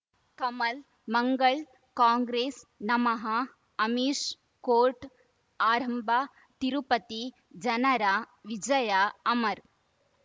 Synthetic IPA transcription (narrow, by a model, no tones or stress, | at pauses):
kɐmɐl | mɐŋɡɐɭ | kaːŋɡɾeːsnɐmɐɦɐ | ɐmiːʂ | koːɾʈ | aːɾɐmbʱa | t̪iɾupɐt̪i | d͡ʒɐnɐɾa | ʋid͡ʒɐjaɐmɐɾ